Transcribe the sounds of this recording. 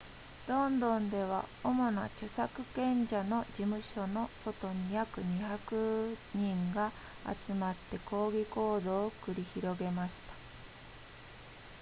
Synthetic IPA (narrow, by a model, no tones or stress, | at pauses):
ɾõ̞nd̪õ̞nd̪e̞β̞a̰o̞mo̞na̰t͡ɕosakɯ̟̥kẽ̞ɲd͡ʑano̞d͡ʑimɯ̟ɕo̞no̞so̞t̪o̞ɲ̟ijakɯ̟ɲ̟içakɯ̟ɲ̟ĩŋɡa | a̰t͡sɨmat̪ːe̞ko̞ːɡʲiko̞ːd̪o̞ːkɯ̟ɾʲiçiɾo̞ɡe̞maɕi̥t̪ḁ